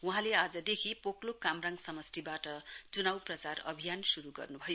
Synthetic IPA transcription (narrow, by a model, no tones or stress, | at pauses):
uɦãlead͡zʌd̪ekʰipoklokamraŋsʌmʌst̪ibaʈʌt͡sunawprʌt͡sarʌ̰bʱijansuɾuɡʌ̰rnubʱʌjo